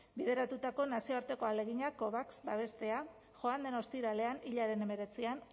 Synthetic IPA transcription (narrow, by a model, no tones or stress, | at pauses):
bið̞e̞ɾat̪ut̪ako̞nasio̞aɾt̪e̞ko̞ale̞ɣiɲako̞βaksbaβ̞e̞st̪e̞a | ʝo̞and̪e̞nost̪iɾale̞aniʎaɾe̞ne̞me̞ɾe̞t͡sian